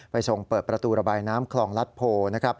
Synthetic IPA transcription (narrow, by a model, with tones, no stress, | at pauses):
pa˧jso˨˩ŋpɤː˨˩t̪̚pɾa˧t̪uː˧ɾa˧baː˧jnaː˦˥mkʰlɔː˨˩ŋla˦˥t̪̚pʰoː˧na˦˥kʰɾa˦˥p̚